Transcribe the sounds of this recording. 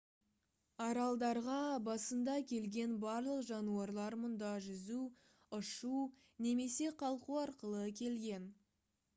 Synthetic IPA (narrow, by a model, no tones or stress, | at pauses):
ɑɾɑlˠd̪ɑɾʁɑbɑsənd̪ɑkʲʰe̞lɡʲe̞nbɑɾlˠəqʒɑnuɑɾlˠɑɾmʊnd̪ɑʒʏzu | ʊʃu | ne̞me̞se̞qʰɑlˠquɑɾqəlˠəkʲʰe̞lɡʲe̞n